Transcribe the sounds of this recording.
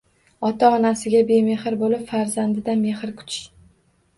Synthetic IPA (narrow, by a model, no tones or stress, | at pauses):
ɒt̪ʰaɒnasɪɡʲabe̞me̞χɪɾbolɪpfaɾzand̪ɪd̪ame̞χɪɾkʰʊ̥t͡ʃː